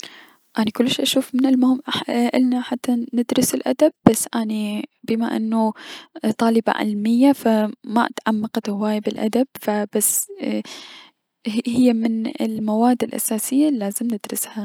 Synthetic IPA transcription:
ʔanikʊlːʃːʔaʃuːfmɪnɪlmʊhɪmʔaʔɪlnaħat̪ʰːanɪd̪ɾʊsɪlʔa̰d̪ab̚ːasːʔanibɪmaʔɪ̰nːut̪ˤɑːlɪba̰ʕɪ̰lmɪjːafama̰t̪ʕamːɑqɑt̪hawaːjbɪlʔa̰d̪ab̥̚fab̥asː | hɪjːamɪnɪ̰lmawaːd̪ːɪlʔa̰saːsɪjːalːaːzɪmnɪd̪ɾɪsha

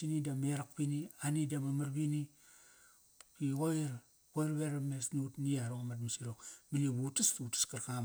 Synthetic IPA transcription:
sinidameɾak̚pinianidamamaɾbini | kiɣoiɾ | koiɾbeɾamesnutniaɾomatmisiɾokminiβutastutḁskarkam

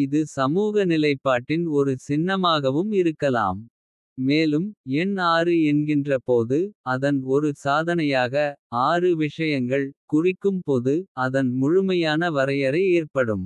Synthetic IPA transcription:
ɪðɯsɐmuːɣɐnɪlɐɪpːaːʈːɪnɔɾɯsɪnːɐmaːɣɐʋɯmɪɾɯkːɐla̰ːmː | eːlɯmɛnaːɾɯɛnɡɪndrɐpoːðɯɐðɐnɔɾɯsaːðɐnɐjaːɣɐaːrɯʋɪʂɐjɐŋɡɐɭkʊrɪkːɯmpoːðɯɐðɐnmʊɻʊmɐjaːnɐʋɐɾɐjɐɾɐɪeːrpɐɽɯm

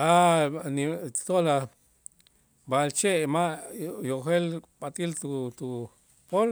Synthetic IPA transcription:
anit̪ola | balt͡ʃeʔmajoxelɓat̪ʼilt̪ut̪u | pol

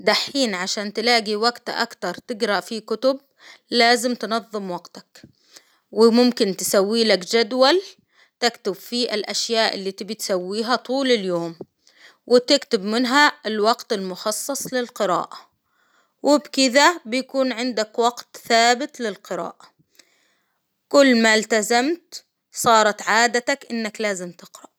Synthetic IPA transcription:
d̪aħiːnʕaʃaːnt̪ɪlaːɡiwaɡt̪ʔa̰kt̪ɑɾˤt̪ɪɡɾɑʔfikʊt̪ʊb̚ | laːzɪmt̪ɪnɑðˤːɨmwɑɡt̪ḁk | wɪmʊmkɪnt̪ɪ̥sawːiːlakd͡ʒad̪wal | t̪ɪkt̪ʊbfiʔɪlʔaʃjaːʔɪ̰lːaːt̪ibɪt̪sawːiːɦat̪ˤuːlɪljoːm | wʔɪt̪ɪkt̪ɪbmɪnɦaɪlwɑɡt̪ɪlmʊxɑsˤːɑsˤlɪlqɨɾa̰ːʔa | wɪbkɪd̪abɪjakuːnʕɪnd̪akwɑɡt̪θaːbɪt̪lɪlqɪɾa̰ːʔa | kʊlːmalt̪azamt̪ | sˤɑːɾˤɑt̪ʕaːd̪at̪akʔɪnːaklaːzɪmt̪ɪqɾɑʔ

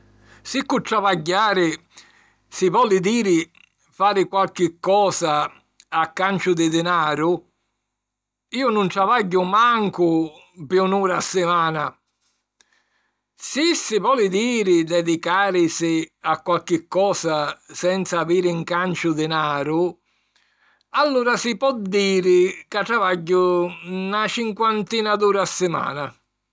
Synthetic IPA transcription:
sikːʊt̪ːɾavaɟːaːɾɪ | sɪvɔlɪd̪iːɾɪ | faːɾɪkwalk̟ɪkːɔːsaː | kːant͡ʃʊd̪ɪd̪ɪnaːɾʊ | iːʊnʊnt̪ɾavaɟːʊmaŋkʊ | pjunuːɾasːɪmaːna | sisɪvɔːlɪd̪iːɾɪd̪ɛd̪ikaːɾɪsɪakːwalk̟ɪkːɔːsasɛnt̪saːviːɾɪŋkant͡ʃʊd̪ɪnaːɾʊ | alːuːɾasɪpɔd̪ːiːɾɪkaʈɾavaɟːʊnat͡ʃiŋkwant̪iːnad̪uːɾasːɪma̰ːna

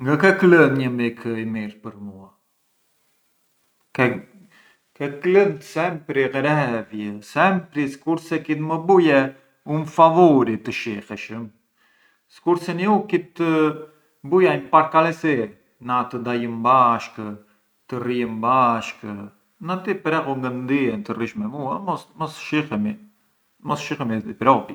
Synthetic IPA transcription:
ŋɡakɛklənɲəmikʰəimiɾpəɾmua | kɛ | kɛklənsɛmpɾiʁɛɾɛɛvjɛsɛmpɾiskuɾsɛkit̪məbujɛ | unfavɔɾit̪əʃihɛʃəm | si̥kuɾd̪sɛniukit̪ə | bujampaɾkalɛsi | nat̪əd̪ajəmbaʃk | t̪əriəmbaʃk | nat̪ipɾɛɣuŋɡənd̪iɛnt̪əriʃmɛmuamɔsmɔsʃihɛmi | mɔsʃixɛmid̪ipɾɔp

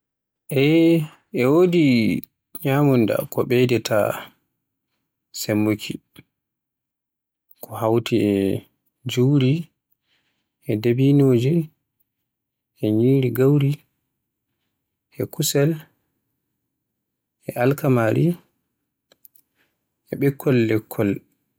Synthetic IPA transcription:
ʔɛ | ɛwodi | ɲamunda̰kɔɓɛdɛtʰa̰ | sɛmːokʰi | kʰɔhawtiɛ | d͡ʒuwɾi | ʔɛdebinoːd͡ʒi | ʔɛɲiːɾiɡawɾi | ʔɛkʰusɛl | ʔɛʔalkamaɾi | ʔɛɓɛkʰːɔlːɛkʰːɔl

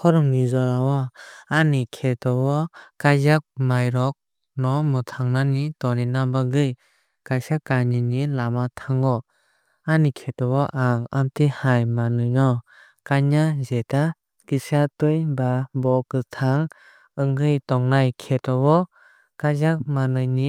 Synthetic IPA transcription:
kʰɔɾɯmnizɔlawaanikʰetɔbɔkajzak̚majɾɔk̚ | nɔmɯtʰaŋnanitɔninabaɡɯj | kajsakaɲinilamatʰaŋɔ | anikʰetɔwɔʔaŋa̰mtihajmanɯnɔ | kaɲazeta | kisatɯjbabɔkɯtʰaŋ | ɯŋɡɯjtɔŋnajkʰetɔwɔ | kajzak̚manɯjni

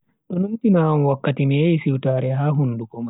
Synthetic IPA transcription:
ɗɔnuntinawɔnwakːatimijajsiwtaːɾɛɦaːɦundukɔma

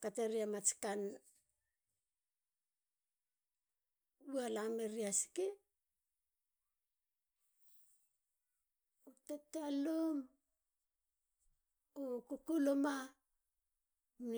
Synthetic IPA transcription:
kateɾiamat͡ʃi̥kan | ualameɾiasi̥ke | utetealom | okukuloma | n

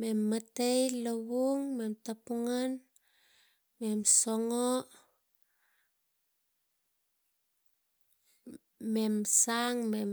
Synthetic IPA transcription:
memːatejloβuŋme̞mtapuŋan | memsoŋo | memsaŋmem

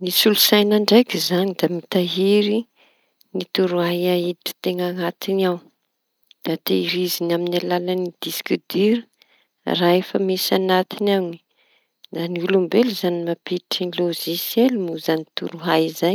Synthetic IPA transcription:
nisulusajnaɳɖ͡ʐajkʲizanid̪amit̪aɦiɾi | nit̪uɾuɦajaiiʈ͡ʂə̥t̪eŋaŋat̪iniaw | d̪̥at̪eiɾizinaminalalanid̪̥iskid̪iɾə | raefəmesanat̪inani̥ | d̪aniulumbeluzanimapiʈ͡ʂinloʒisjelmuzanit̪uɾuɦajizaj

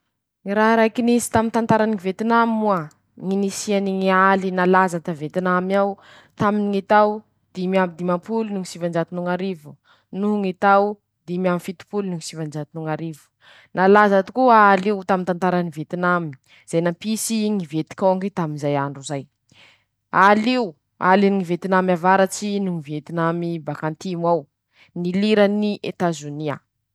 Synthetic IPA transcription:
ŋiɾaɦɾajkinisi̥t̪amint̪ant̪aɾaniivet̪inamimua | ŋinisianiŋialinalazat̪avet̪inamaw | t̪aminiŋit̪aw | d̪̥imiabid̪imapulunuŋisivand͡ʒat̪inuŋaɾivu | nuɦuŋit̪aw | d̪emiamifit̪u̥pulnuŋisivand͡ʒat̪inuŋaɾivu̥ | nalazat̪ukuaːleut̪amint̪ant̪aɾanivet̪inami̥ | z̥ajnampisiŋivet̪i̥kʲoŋɡit̪aminzajaɳɖ͡ʐuzaj | alew | a̰liŋivet̪inamiavaɾat͡ʃinuŋivet̪inamibakant̪imaw | niliɾaniʔet̪azonia̰

